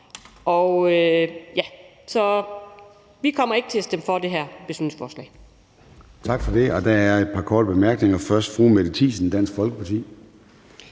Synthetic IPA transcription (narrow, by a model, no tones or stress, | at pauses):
ɒøjæ | sɒ̽ | ʋikʰɒ̽m̰ɐe̝ɡ̥ət͡sʰe̝sd̥emfɒ̽d̥e̝ɦæɐ̰b̥esøn̰neŋsfɒːslɛ̰ɪ | t͡sʰɑ̈ɡ̥fɒ̽de̝ɒ̽d̥ææɐed̥̚pʰɑ̈kʰɒːd̥əb̥emæɐɡ̥ne̝ŋɐfɶɐsd̥fʁumed̥ət͡sʰḭːsn̩d̥æn̰sɡ̥fɒ̽lɡ̥əpʰɑ̈t͡sʰḭː